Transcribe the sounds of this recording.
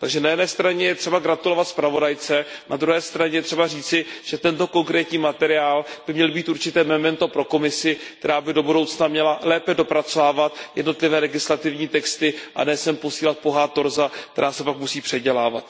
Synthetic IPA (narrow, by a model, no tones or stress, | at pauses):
t̪aɡʒɛnajɛdnɛːst̪ɾaɲɛjɛt̪r̝̥ɛbaɡɾat̪ulo̞vat̪spɾavo̞dajt͡sɛnad̪ɾuɦɛːst̪ɾaɲɛjɛt̪r̝̥ɛbar̝iːt͡sɪʒ̥ɛt̪ɛnt̪o̞ko̞ŋkɾɛːt̪ɲiːmat̪ɛɾɪaːlbɪmɲɛlbiːt̪ʔuɾt͡ʃɪt̪ɛːmɛmɛnt̪o̞pɾo̞ko̞mɪsɪkkt̪ɛɾaːbɪdo̞budowt͡snamɲɛlalɛːpɛdo̞pɾat͡sovaːvat̪jɛ̰dno̞t̪lɪvɛːlɛɡɪslat̪ɪvɲiːt̪ɛkst̪ɪʔa̰nɛːsɛmpo̞siːlat̪̚po̞ɦaːt̪o̞ɾzak̚t̪ɛɾaːsɛpakmusiːpr̝̥ɛɟɛlaːvat̪